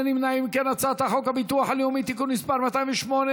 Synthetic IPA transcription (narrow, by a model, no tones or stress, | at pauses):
nimnaimkenat͡sat̪aχo̞khabit̪uaħaljumit̪ikunːispaʁmat̪aiɱveʃmone